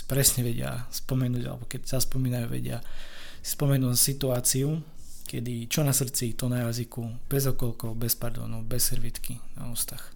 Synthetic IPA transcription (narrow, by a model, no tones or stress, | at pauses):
pɾɛsɲɛʋɛɟɪa̰spɔmɛnuːɟa̰lɛ̰bɔkɛcsaspɔmiːnajuʋɛ̰ɟɪa | spɔmɛnuːsit̪uaːt͡siukɛd̪it͡ʃɔnasr̩t͡sit̪ɔnajazikub̥ɛzɦɔkɔlkɔʊbɛspaɾd̪ɔ̰ːnubɛsɛɾʋit̪kina̰uːst̪ax